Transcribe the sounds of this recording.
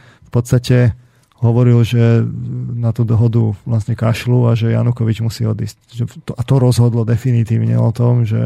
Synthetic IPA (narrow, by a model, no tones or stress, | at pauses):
fpɔt̪st̪acɛ | ɦɔʋɔɾilʒɛ | nat̪ud̪ɔɦɔd̪uʋlasɲɛkaʃluaʒɛja̰nukɔʋid͡ʒmusiːɔd̪iːscʒɛt̪ɔʔat̪ɔɾɔzɦɔd̪lɔd̪ɛfinit̪iːʊɲɛ̰ɔ̰t̪ɔmʒɛ̰